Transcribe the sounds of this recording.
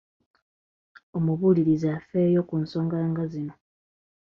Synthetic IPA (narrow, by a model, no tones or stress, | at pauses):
o̞muβuliɾizafeːjo̞kunso̞ːŋɡaːŋɡazino̞